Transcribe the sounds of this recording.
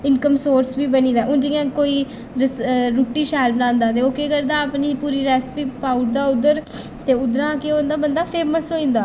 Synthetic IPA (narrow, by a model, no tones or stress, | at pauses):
ɪnkəmsoːɾsbiːbənĩːd̪aːʔʊ̃ːd͡ʒɪãːkoːiː | ɾəsɾuʈːiːʃaːlnãːnd̪aːd̪eːoːkeːkəɾd̪aːəpniːpuːɾiːɾɛːspiːpaːʊʈ̚d̪aːʊd̪əɾ | t̪eːʊd̪ɾãːkeond̪aːbənd̪aːpʰeːməsɦoːĩːnd̪aː